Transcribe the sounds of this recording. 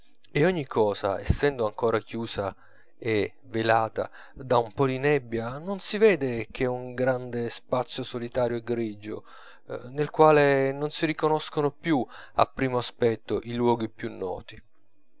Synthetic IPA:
eɔɲːikʰːɔːza̰ɛ̰sːɛnd̪oaŋkoːɾakjuːsa | e | velaːt̪a̰ | d̪aumpɔd̪inɛbːjanonsivɛːd̪ek̟ʰeuŋɡɾand̪espat̪sːjosolit̪aːɾjoɛɡɾid͡ʒo̰ | nelkwaːlenonsiɾikonoskonopju | a̰pːɾiːmoaspɛt̪ːoʔilwɔːɡipjunːɔ̰ːt̪i

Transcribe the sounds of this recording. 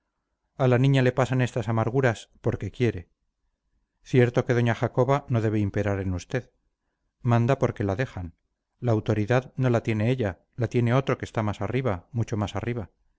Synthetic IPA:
alanĩɲale̞pasanest̪asamaɾɣuɾaspo̞ɾke̞kje̞ɾe̞ | θje̞ɾt̪o̞ke̞ðo̞ɲaχako̞βano̞ðe̞βeimpe̞ɾaɾe̞nust̪e̞ð | mãnd̪apo̞ɾke̞laðe̞xan | laːwt̪o̞ɾiðaðno̞lat̪je̞ne̞eʎa | lat̪je̞ne̞o̞t̪ɾo̞ke̞st̪amasariβamut͡ʃo̞masariβa

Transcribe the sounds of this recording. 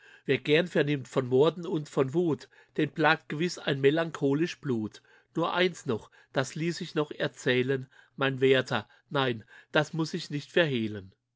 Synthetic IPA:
veːɐɡɛɐnfɛɐnɪmtfɔnmɔɐdn̩ʊntfɔnvuːt | d̥eːnblaːk̚t̚ɡ̥əvɪsaɪnmelaŋkʰoːlɪʃb̥luːt | nuːɐʔa̰ɪnsnɔχ | d̥asliːsɪçnɔχɛɐt͡sɛːlənmaɪnvɛːɐtʰɐ | naɪnd̥asmʊsɪçnɪçtfɛɐɦeːlən

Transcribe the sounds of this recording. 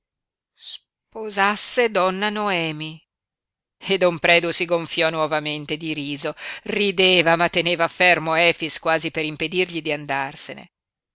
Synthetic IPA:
s | pozasːed̪ɔnːanoɛːmi | ed̪ːompɾɛːd̪usiɡoɱfjɔnwɔvament̪ed̪iɾiːzorid̪eːvamat̪ːeneːvafermoɛːfiskwaːzipeɾimped̪irʎid̪iand̪arsenḛ

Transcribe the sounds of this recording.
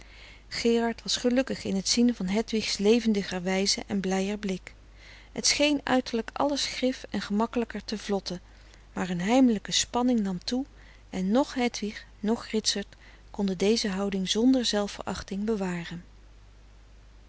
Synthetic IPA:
χɪːrɑɹtʋɑsχəlɵkəχɪnɦətsinvɑnɦɛtʋiχslejvəndəχəɹʋɛjzəʔɛnblɛjəɹblɪk | ɦətsχejnœ̰ɥtəɹləkɑ̰ləsχrɪfɛnχəmɑkələkəɹtəvlɔtə | maːɹənɦɛjmələkəspɑnɪŋnɑmtu | ʔɛnːɔχɦɛtʋiχ | nɔχrɪtsɑɹt | kɔndədejzəɦɑwdɪŋzɔndəɹzɛlˠfə̰ɹɑ̰χtɪŋbəʋaːrən

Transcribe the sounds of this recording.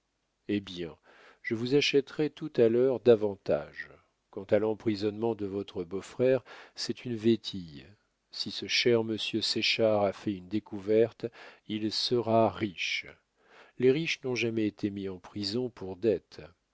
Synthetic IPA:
ebjɛ̃ | ʒəvuzaʃɛt̪ʁɛt̪ut̪alœʁd̪avɑ̃t̪a̰ʒ | kɑ̃t̪alɑ̃pχizɔnmɑ̃d̪əvɔt̪χəbofχɛʁsɛt̪ynvet̪ʰij | sisəʃɛʁməsjøsɛʃaʁafɛynd̪ekuvɛʁt̪ilsəʁaʁiʃ | leʁiʃnɔ̃ʒamɛet̪ʰemiɑ̃pχizɔ̃pʰuʁd̪ɛt̪

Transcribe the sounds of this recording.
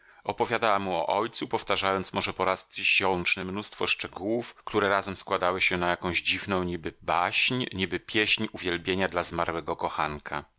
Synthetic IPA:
ɔpɔvʲjad̪awamuɔ̰ʔɔjt̪supɔft̪aʐajɔnt̪smɔʐɛpɔɾast̪ɕɔwt͡ʂnɘmnust̪fɔʂt͡ʂɛɡuwufkt̪uɾɛɾazɛmskwad̪awɘɕɛnajakɔ̃w̃ʑd͡ʑivnɔ̃w̃ɲibɘbaɕɲɲibɘpʲjeɕɲuvʲjɛlbʲjeɲad̪lazmaɾwɛɡɔkɔxankʰa̰

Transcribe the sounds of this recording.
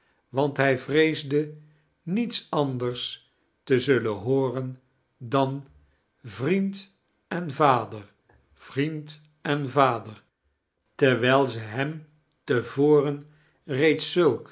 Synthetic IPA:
ʋɑntɦɛjvrejzdə | nitsɑndərs | təzɵlənɦoːrən | dɑn | vrint | ɛnvaːdəɹ | v̥rint | ɛnvaːdəɹ | tɛɹʋɛjlˠzəɦɛm | təvoːrən | rejtsɵlˠk

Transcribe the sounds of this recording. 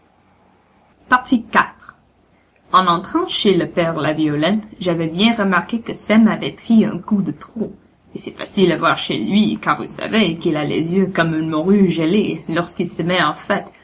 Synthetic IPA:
paʁt̪ikat̪χ | ɑ̃nɑ̃t̪χɑ̃ʃeləpɛʁlavjɔlɛ̃t̪ʒavɛbjɛ̃ʁəmaʁkekəsɛmavɛpχiœ̰̃kud̪ət̪χo | esɛfa̰silavwaʁʃḛlɥikaʁvṵsa̰vekilalḛzjøkɔmylmɔʁyʒəlelɔʁskilsəmɛɑ̃fɛt̪

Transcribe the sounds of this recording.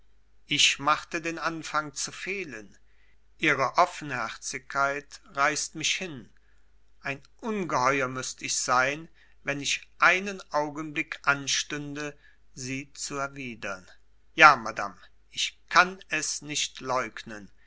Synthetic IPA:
ʔɪçmaχtədeːnʔanfaŋt͡sufeːlən | ʔiːʁəʔɔfn̩hɛʁt͡sɪkʰːaɪtʁaɪstmɪçhɪn | ʔaɪnʔʊnɡəhɔʏɐmʏstəɪçz̥aɪn | vɛnɪçʔaɪnənʔaʊɡənblɪkʰʔanʃtʏndə | ziːt͡suɛɐviːdɐn | jaːmada̰m | ʔɪçkʰanɛsnɪʃtlɔʏknən

